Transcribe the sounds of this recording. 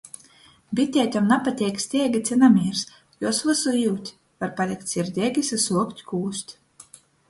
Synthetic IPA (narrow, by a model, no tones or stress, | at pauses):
bʲit̪ʲɛːt̪ʲɔmnapat̪ʲɛːksʲt̪ʲɛɛɡʲit̪sʲɛnamʲiːɾs | juɔsvɨsujuːt̪ʲ | vaɾpalʲikt̪ʲsʲiɾd̪ʲɛɡʲisasuɔkt̪ʲkuːsʲt̪ʲ